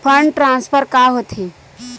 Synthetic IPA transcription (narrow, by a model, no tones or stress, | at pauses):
pʰəɳʈɾãːnspʰəɾkaɦot̪ʰe